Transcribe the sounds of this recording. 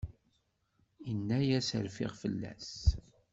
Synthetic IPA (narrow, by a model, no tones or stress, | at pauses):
iənːæjæsəɾfɪ̰ʁfəlːæ̰s